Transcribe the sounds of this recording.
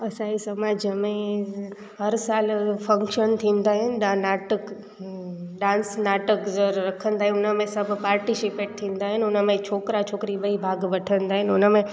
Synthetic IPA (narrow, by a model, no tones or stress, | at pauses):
ɐsãisɐmaːd͡ʒəmẽ | ɦɐɾsaːlfɐ̃ŋkʃənt̪ʰĩːnd̪aːɦɪnɪ̆ɗanaːʈək | ɖãːnsnaːʈəkzəɾɾɐkʰə̃nd̪aːɦɪ̃ʊnəmẽsɐbʱpaːɾʈisɪpeːʈ̚t̪ʰĩːnd̪aːɦɪnʊnəmẽt͡ʃʰoːkɾat͡ʃʰoːkɾiɓɐibʱaːɡʋɐʈʰənd̪aːɦɪnʊnəmẽ